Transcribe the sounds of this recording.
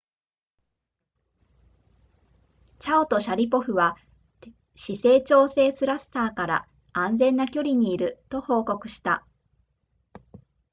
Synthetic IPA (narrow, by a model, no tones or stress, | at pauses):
t͡ɕaot̪o̞ɕaɾʲipo̞ɸɯ̟βa | ɕise̞ːt͡ɕo̞ːse̞ːsɨɾasɨ̥t̪aːkaɾa̰ | ãñd͡zẽ̞nːakʲo̞ɾʲiɲ̟iːɾɯ̟t̪o̞ho̞ːko̞kɯ̟ɕi̥t̪a